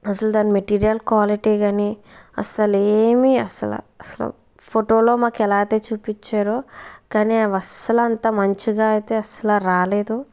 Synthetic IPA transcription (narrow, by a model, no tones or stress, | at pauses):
ɐsɐld̪aːnimeʈiːɾijɐlkwaːliʈiːɡaːni | ɐ̰sɐleːmiɐsɐla̰ | ɐsɐlɐ̰ | pʰoʈoːlo̞ːmaːkɛlaːt̪eːt͡ʃuːpit͡ʃːaːɾokaːniʋɐsɐlɐnt̪amɐɲt͡ʃiɡaːɐjt̪eːɐsɐlaɾaːleːd̪u